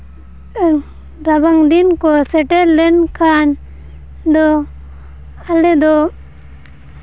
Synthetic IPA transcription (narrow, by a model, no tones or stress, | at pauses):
ɾɐbaŋd̪inkoseʈeɾlenkʰan | d̪o | aled̪o